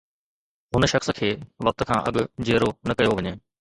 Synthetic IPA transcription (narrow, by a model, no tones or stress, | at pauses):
ɦʊnʃɐxskʰeːʋɐk̚t̪kʰãːʔɐ̰ɠʊd͡ʑeːɾonɐkɐjoʋɐɲeː